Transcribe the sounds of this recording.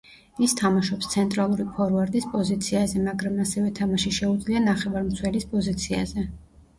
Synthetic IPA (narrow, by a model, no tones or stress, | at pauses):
ist̪ʰamaʃɔpst̪sʰɛnt̪ʼɾalˠuɾipʰɔɾvaɾd̪ʼispʼɔzit̪sʰiazɛmaɡɾamasɛvɛt̪ʰamaʃiʃɛud̪zlianaχɛvaɾmt̪sʰwɛlispʼɔzit̪sʰia̰zɛ